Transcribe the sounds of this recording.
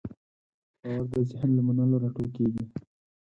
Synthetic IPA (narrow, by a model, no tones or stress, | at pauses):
bɑwaɾd̪əzɪhnlamanaloɾaʈokeɡi